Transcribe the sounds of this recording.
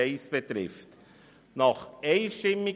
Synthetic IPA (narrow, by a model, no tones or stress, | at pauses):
eɪsb̥ɛt̪ɾɪ̰ft | nɑχeɪʃtɪmːi